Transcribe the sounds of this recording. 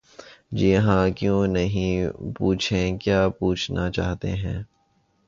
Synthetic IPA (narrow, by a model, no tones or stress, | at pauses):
d͡ʒɪɦãkjõːnɐɦĩpuːt͡ʃʰẽkjaːpuːt͡ʃʰnat͡ʃa̰ːɦt̪ḛɦɛ̰̃ː